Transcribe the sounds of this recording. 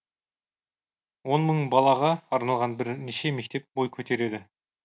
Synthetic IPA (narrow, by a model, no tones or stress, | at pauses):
wo̞nməɴbɑlˠɑʁɑːɾnɑlˠʁɑnbɪɾneʃe̞me̞k̚ʲt̪e̞p̚bo̞jkʲʰɵt̪e̞ɾe̞d̪ɪ